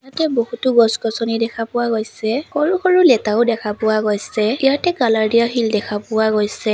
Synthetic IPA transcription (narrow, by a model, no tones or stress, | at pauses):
ijatɛbohutʊɡɔskɔsɔnidɛkʰapʊwaɡojsɛxoɹuxoɹʊlɛtaʊdɛkʰapʊwaɡojsɛijatɛɡalaɹdijaɦildɛkʰapʊwaɡojsɛ